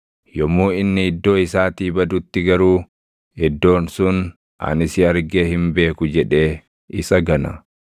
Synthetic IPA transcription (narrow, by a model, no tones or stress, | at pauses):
jɔmːuːɪnːɪɪd̪ːo̞ːɪsaːt̪iːbɐd̪ʊt̪ːɪɡɐɾuː | hɛd̪ːo̞ːnsʊn | ʔɐ̰nɪsɪɐɾɡeːhɪmbe̞ːkʊd͡ʒɛᶑe̞ː | ʔɪsɐɡɐnɐ̰